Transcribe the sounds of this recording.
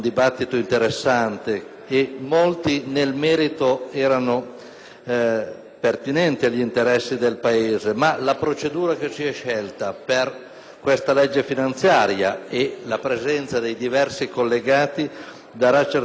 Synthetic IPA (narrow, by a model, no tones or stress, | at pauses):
nd̪ibat̪ːit̪oint̪eɾesːant̪eː | mːolt̪inelmɛːɾit̪oɛːɾano | pert̪inɛnt̪iaʎːint̪eɾɛsːid̪elpaeːzemalapɾot͡ʃed̪uːɾaket͡ʃiɛʃːɛlt̪aper | kwest̪alɛd͡ʒːefinant̪sjaːɾja̰elapɾezɛnt̪sad̪ejd̪ivɛrsikolːeɡaːt̪i | d̪aɾat͡ʃer